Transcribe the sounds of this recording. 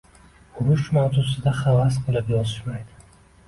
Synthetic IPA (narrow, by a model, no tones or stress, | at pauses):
ʊɾʊʃmawt̪usɪd̪aχavasqʰɨlˠɪpjɒzɪʃmajd̪ɪ̥